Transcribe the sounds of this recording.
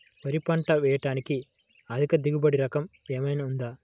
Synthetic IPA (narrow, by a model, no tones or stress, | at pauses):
pɐɾipɐɳʈɐʋɛːjɐʈaːniki | ɐd̪ʱikɐd̪iɡubɐɽiɾɐkɐm | eːmɐjnaund̪aː